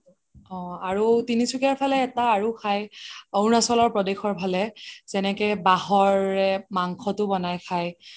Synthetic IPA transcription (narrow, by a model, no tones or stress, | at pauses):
ɔ̃aɹutinisukaɹpʰalɛːtaːɹukʰajownasɔlɔɹpɹɔdexɔɹpalɛzɛnɛkɛbaɦɔɹɛmaŋxʰɔtʊbɔnajkʰaj